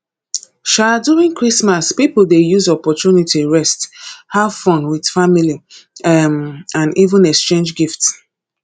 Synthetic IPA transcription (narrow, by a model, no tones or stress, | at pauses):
ʃaduĩŋkɹismaspipoldejuzɔpɔtunitiɹɛsthavfɔ̃nwid̥famili | mãnivə̃nɛkst͡ʃẽnd͡ʒɡifts